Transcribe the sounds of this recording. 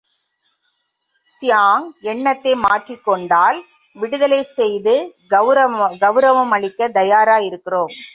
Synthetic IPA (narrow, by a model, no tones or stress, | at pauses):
sɪjaːŋɛɳːɐt̪ːeːmaːʈrikːɔɳɖaːl | ʋɪɽɯðɐlɐɪsɛjðɯ | ɡɐʋɾɐʋɐmɐɭɪkːɐd̪ɐjaːɾaːjɪɾɯkːɪroːm